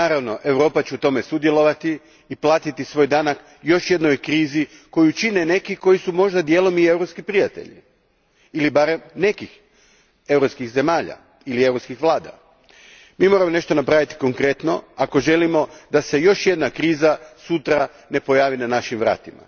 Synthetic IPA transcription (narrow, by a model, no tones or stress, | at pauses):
naːɾaʋno̞ʔe̞wɾo̞ːpat͡ɕɛut̪o̞me̞sud̪je̞lo̞ʋat̪iː | plˠaːt̪it̪isʋo̞ːjd̪anak | jo̞ʃje̞d̪nojkɾiːzi | ko̞jut͡ʃine̞ne̞kiko̞jisumo̞ʒd̪ad̪je̞lˠo̞mie̞wɾo̞pskipɾijat̪e̞̰ʎḭ | ilibaɾe̞mne̞kix | e̞wɾopskixze̞maːʎa̰ | iliewɾo̞pskixʋlˠaːd̪a̰ | miːmo̞ɾamo̞ne̞ʃt̪onapɾaʋit̪i̥ko̞ŋkɾe̞t̪no̞̰ako̞ʒe̞limo̞d̪ase̞jo̞ʃje̞d̪nakɾiːzasut̪ɾa | ne̞po̞jaːʋinanaʃimʋɾa̰ːt̪ima̰